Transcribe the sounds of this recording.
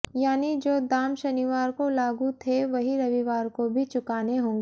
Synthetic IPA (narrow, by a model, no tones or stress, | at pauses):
jaːnid͡ʒoːd̪aːmʃɐniʋaːɾkolaːɡut̪ʰeʋɐɦiɾɐʋiʋaːɾkobʱit͡ʃʊkaːneɦõːŋɡeː